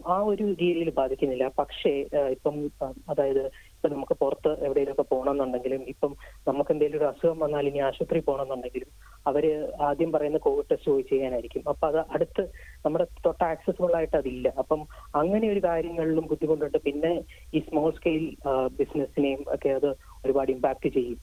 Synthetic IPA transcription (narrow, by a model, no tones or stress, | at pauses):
aːo̞ɾuɾiːljilbaːd̪ʱikʲːunːilːɐpɐkʂe̞ipːɐmɐðaːjɐðɨ | ipːɐnɐmukːɨpurɐt̪ːɨʔeʋiɽejilokːepo̞ːɳɐmenːuɳɖe̞ŋɡilumipːɐmnɐmukːend̪aːjiloɾuɐsuɣɐmʋɐnːaːlinːiaːɕɐt̪ripo̞ːɳɐmenːuɳɖe̞ŋɡilum | ɐʋɐɾeaːd̪jɐmpɐrɐjunːɐko̞ːʋiɖ̚ʈestɨpoːjit͡ɕːe̞jːaːnaːjiɾikʲːumɐpːoɐðɨʔɐɽut̪ːɨnɐmːuɽe̞t̪o̞ʈːɐaːksesumuɭːaːjiʈːɐðilːɐʔɐpːɐmɐŋːɐne̞o̞ɾukaːɾjɐŋːɐɭilumbud̪ʱːiko̞ɳɖuuɳɖɨpinːe̞ | iːsmoːskejlbisnesinejumo̰kːe̞ɐðɨ | oɾubaːɽijumbaːk̚tːɨt͡ɕe̞jːum